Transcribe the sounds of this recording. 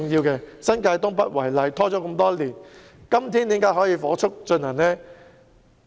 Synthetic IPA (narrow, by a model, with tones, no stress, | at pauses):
ʊ˨˧ŋjiː˧wkɛː˧sɐ˥nkaː˧jt̪ʊ˥ŋpɐ˥t̚wɐ˨˩jlɐ˨˧jt̪ʰɔː˥t͡ʃɔː˨˥kɐ˧mt̪ɔː˥liː˨˩n | kɐ˥mt̪ʰiː˥nt̪i˨˥kaː˨˥jɦɔː˨˥jiː˨˧fɔː˨˥t͡ʃʰʊ˥k̚t͡ʃɵ˧nhɐ˨˩nnɛː˥